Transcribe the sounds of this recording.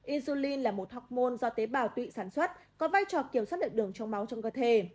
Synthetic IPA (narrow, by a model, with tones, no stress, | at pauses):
ʔi˧nzu˧li˧nlaː˨˩mo˨˩t̚hɔ˨˩wk͡p̚mo˧nzɔ˧t̪e˨˦ɓaː˧˩wt̪wḭ˧˨saː˧˩nswə˦˥t̚kɔ˨˦vaː˧jt͡ɕɔ˨˩ki˧˩əmswaː˦˥t̚ɗəː˧˨˩ɗɨ˨˩əŋt͡ɕɔ˧wŋ͡mma˨˦wt͡ɕɔ˧ŋ͡mkəː˧t̪ʰe˧˩